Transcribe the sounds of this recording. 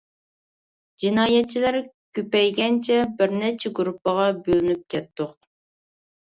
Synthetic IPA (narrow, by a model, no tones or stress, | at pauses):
d͡ʒinɑːjɛt̪̚t͡ʃʰːilæɾ | kʲypɛjɡʲɛnt͡ʃʰɛbɪɾnɛt͡ʃʰɛɡuɾupːəʁɑbølynyp̚kʲʰɛt̪ːoq̚